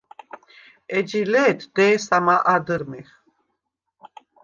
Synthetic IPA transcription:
ɛd͡ʒilɛːt̪ʰd̪̥ɛːsamaʔad̪əɾmiχ

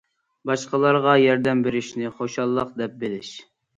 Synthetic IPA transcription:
bɑʃqəlˠɑɾʁɑjɑɾd̪ɛmbeɾɪʃnɪχoʃɑlˠːəq̚d̪ɛp̚bɪlɪʃ

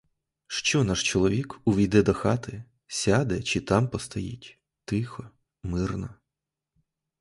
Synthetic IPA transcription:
ʃt͡ʃɔnɑʃt͡ʃɔlˠɔʋʲikʊʋʲijd̪ɛd̪ɔxɑt̪ʰɪ | sʲad̪ɛt͡ʃit̪ɑmpɔst̪ɐjḭtʲ | t̪ɪxɔ | mɪrnɔ

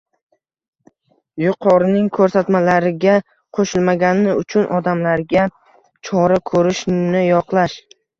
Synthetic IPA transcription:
jʊqʰɒɾnɪŋkʰɵɾsat̪malaɾɪɡʲa | qʰoʃɪlmaɡʲanɪʊt͡ʃʰʊnʔɒd̪amlaɾɡʲa | t͡ʃʰɒɾakʰɵɾɪʃnɪjɒqlˠaʃ

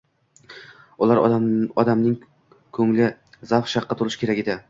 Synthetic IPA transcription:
ʊlˠaɾɒd̪amnɪŋ | kʰɵŋlɪ | zafʃɑqʰːɑt̪ʰʊlˠɪʃkʲe̞ɾaɡʲɪd̪ɪ

